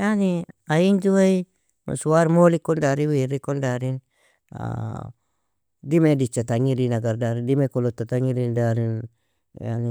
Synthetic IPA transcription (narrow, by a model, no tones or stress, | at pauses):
janiaind͡ʒuai | ma̰suaɾmolikːɔndaɾiwiɾikɔndaɾin | a̰ | dimedit͡ʃat̪aŋiɾinaɡardaɾindimekɔlɔt̪ːat̪aŋiɾindaɾin | ja̰ni